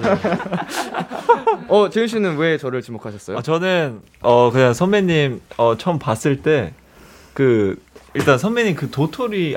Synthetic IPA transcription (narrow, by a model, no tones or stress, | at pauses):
ʌt͡ɕɯŋɕ̬ʰinɯnwe̞t͡ɕʌɾɯɭt͡ɕimokʰaɕʰʌs͈ʌjoat͡ɕʌnɯn | ʌkɯɲaŋsʰʌnmeɲːimʌt͡ɕʰʌmpas͈ɯɭt͈e̞ | kɯiɭt͈ansʰʌnmeɲːimkɯtotʰoɾi